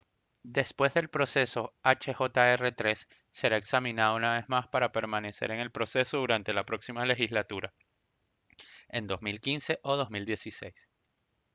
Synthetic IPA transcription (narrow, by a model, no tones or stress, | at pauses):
d̪e̞spwe̞zðelpɾo̞se̞so̞at͡ʃe̞xo̞t̪ae̞re̞t̪ɾe̞sː | e̞ɾae̞ksamĩnaðounaβe̞zmaspaɾape̞ɾmane̞se̞̰ɾe̞ŋe̞lpɾo̞se̞so̞ðuɾant̪e̞lapɾo̞ksimale̞xizlat̪uɾa | e̞nd̪o̞zmilkinse̞ʔo̞ð̞o̞zmild̪je̞sise̞̰js